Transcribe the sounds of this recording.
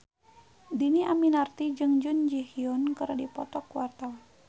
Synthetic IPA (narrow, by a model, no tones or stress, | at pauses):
diniʔaminart̪id͡ʒɨŋd͡ʒʊnd͡ʒihiɔnkəɾdipɔt̪ɔkuart̪aw